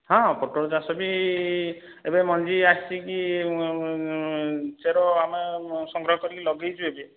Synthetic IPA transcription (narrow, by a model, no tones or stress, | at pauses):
ɦɔ̃poʈoɽd͡ʒasɔbi | ebemɔnd͡ʒiast͡ʃiki | t͡ʃeɾɔamesɔŋɡɾɔɦɔkɔɾilɔɡejt͡ʃʰuebe